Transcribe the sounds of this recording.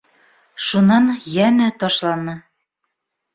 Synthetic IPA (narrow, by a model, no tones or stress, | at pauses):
ʃunɑnjænæt̪ɑʃlɑnɤ